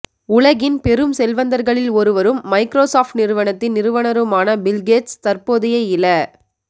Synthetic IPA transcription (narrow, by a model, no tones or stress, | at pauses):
ʊɭɐɣɪnpɛɾɯmsɛlʋɐnd̪ɐɾɣɐɭɪlɔɾɯʋɐɾɯmːɐɪkɾoːsaːfʈnɪɾɯʋɐɳɐt̪ːɪnːɪɾɯʋɐnɐɾɯmaːnɐbɪlɡeːʈst̪ɐɾpoːðɪjɐɪɪlɐ